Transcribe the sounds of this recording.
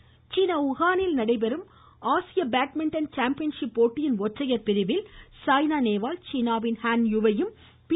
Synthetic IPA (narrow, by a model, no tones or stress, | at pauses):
t͡ʃiːnɐʊɣaːnɪlnɐɽɐɪpɛɾɯm | aːsɪjɐbaːʈ̚mɪɳʈɐnt͡ʃaːmpɪjɐnʂɪpːoːʈːɪjɪnʋɔʈrɐjɐɾpɪɾɪʋɪlsaːjnaːneːʋaːlt͡ʃiːnaːʋɪnhaːnjʊʋɐjɯm | p